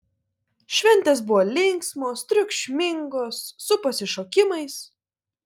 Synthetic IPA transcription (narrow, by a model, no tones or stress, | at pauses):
ʃʲʋʲɛnʲt̪ʲeːs̬bʊʋoːlʲɪŋksmoːst̪ʲɾʲʊkʃʲmʲɪŋɡoːsːʊpɐsʲɪʃoːkʲɪmɐɪs